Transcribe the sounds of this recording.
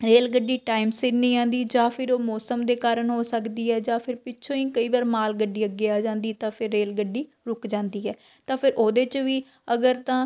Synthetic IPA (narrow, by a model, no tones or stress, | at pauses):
ɾeːlɡəɖːiːʈaːɪmsɪnĩːãːnd̪iːd͡ʒãːpʰɪɾoːmɔːsəmd̪eːkaːɾəɳɦoːsəkd̪iːɛːd͡ʒãːpʰɪɾpɪːʃʰõːĩːkəiːʋaːɾmaːlɡəɖːiːəɡːɪaːd͡ʒãːnd̪iːt̪ãːpʰɪɾːeːlɡəɖiː | ɾʊkd͡ʒãːnd̪iːɛː | t̪ãːpʰɪɾʔoːd̪eːt͡ʃʋiː | əɡəɾt̪ãː